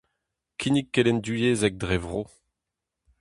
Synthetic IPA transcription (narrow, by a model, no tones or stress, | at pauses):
kʰʲinikːɛlɛnd̪yjeːzɛk̚d̪ʁɛvʁo